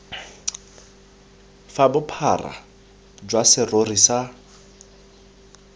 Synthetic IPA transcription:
fabʊpʰara̰ | d͡ʒwasɪrorisa

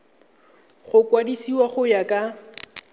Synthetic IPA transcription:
χʊkʼwadisiwaχʊjakʼa

